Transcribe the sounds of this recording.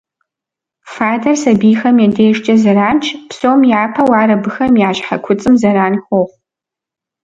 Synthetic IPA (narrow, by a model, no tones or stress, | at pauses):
faːdɐrsɐbiːxɐmjɛdeːʒt͡ʃʼɐzɐɾaːnt͡ʃʰpsowmjaːpʰɐwɑːɾɐbɨxɐmjaːʃħa̰kʷʰʊt͡sʼɨmzɐɾaːnxʷoχʷ